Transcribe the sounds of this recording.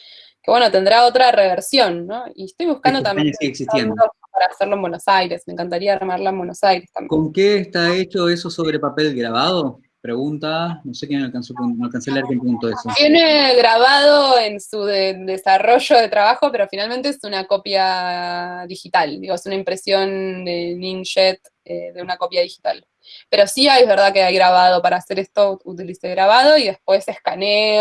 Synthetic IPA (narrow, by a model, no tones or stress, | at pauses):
kewe̞no̞t̪e̞nd̪ɾao̞t̪ɾareβeɾsjo̞nːoḭest̪ojβuskand̪ot̪amɲesiɣeksist̪jenopaɾaːseɾlombwenosajɾe̞smẽ̞ŋkant̪aɾiaamaɾlaembwenosajɾe̞st̪a̰mkoŋkeːst̪aet͡ʃoesosoβɾepape̞lɡɾaβaðo | pɾeɣunt̪anosek̬jemalkansopɾmalkanselaɾkjempɾeɣunt̪oesojeneɣɾaβaðo̞e̞nsuðed̪esaro̞ʒo̞ðe̞t̪ɾaβaxo̞pe̞ɾo̞finalment̪eesunako̞pja | ðixit̪ald̪iɣoesunaimpɾesjo̞nd̪e̞nĩŋʃet̪ | eðeunako̞pjaðixi̥t̪al | pe̞ɾo̞siajβeɾðakeajɣɾaβað̞o̞paɾaːse̞ɾest̪o̞ut̪iliseɣɾaβað̞o̞iðe̞hpwe̞se̞hkane